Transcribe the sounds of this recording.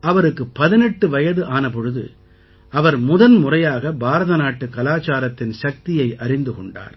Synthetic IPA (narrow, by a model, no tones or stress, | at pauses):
ʔɐʋɐɾɯkːɯpːɐðɪnɛʈːɯʋɐjɐðɯʔaːnɐpɔɻɯðɯ̰ | ɐʋɐɾmʊðɐnmʊrɐjaːɣɐbaːɾɐðɐnaːʈːɯkɐlaːt͡ʃaːɾɐt̪ːɪnʃɐk̚t̪ɪjɐɪʔɐɾɪnd̪ɯkɔɳɖa̰ːɾ